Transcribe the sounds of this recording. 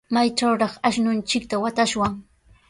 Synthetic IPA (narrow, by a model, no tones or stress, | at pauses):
majt͡ʃawɾɑχaʃnʊnt͡ʃɪk̚t̪awat̪aʃwaŋ